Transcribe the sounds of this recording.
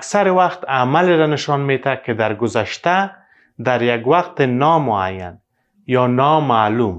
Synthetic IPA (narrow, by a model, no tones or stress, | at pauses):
aksaɾɪwaqt̪amaleɾanɪʃɔnmet̪aked̪aɾɡʊzaʃt̪a | d̪aɾjaɡwaqt̪enɔmʊa̰jːa̰n | jɔnɔmaːlum